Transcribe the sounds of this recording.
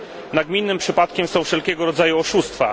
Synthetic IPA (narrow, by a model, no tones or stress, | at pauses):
naɡmʲinːɘmpʂɘpat̪̚kʲɛmsɔ̃w̃fʂɛlkʲɛɡɔɾɔd̪zajuɔʂust̪fa̰